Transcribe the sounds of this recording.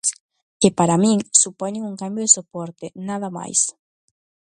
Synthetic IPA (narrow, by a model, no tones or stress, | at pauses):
s | kepaɾamĩŋsupɔɲeŋuŋkambjoðesopɔɾt̪enaðama̰js